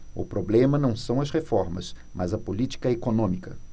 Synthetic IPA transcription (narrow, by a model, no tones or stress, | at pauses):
ʊ̰pɾoblẽmɐnɐ̃w̃sɐ̃w̃ɐshefɔɾmɐ̰smʔɐzɐpolit͡ʃi̥kɐekonõmikɐ